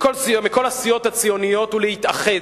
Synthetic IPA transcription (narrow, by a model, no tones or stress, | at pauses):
koimiko̞lasijo̞t̪hat͡sijo̞nijo̞t̪ulehit̪aχe